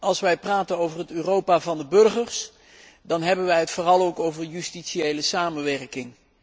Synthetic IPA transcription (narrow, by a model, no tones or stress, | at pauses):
ɑlˠsʋɛjpraːtənowvərɦətøːrowpaːvɑndəbɵrχəɹs | dɑnɦɛbənʋɛjɦətfʊːrɑlˠowkowvərjystiʃiejləsaːmənʋɛrkɪŋ